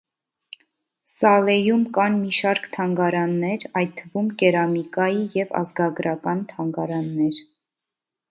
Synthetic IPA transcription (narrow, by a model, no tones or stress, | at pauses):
sɑlɛjumkɑnmiʃɑɾkt̪ʰɑŋɡɑɾɑnːɛɾɑj̪̚t̪ʰːəvumkɛɾɑmikɑjijɛvɑ̰zɡɑɡɾɑkɑnt̪ʰɑŋɡɑɾɑnːɛɾ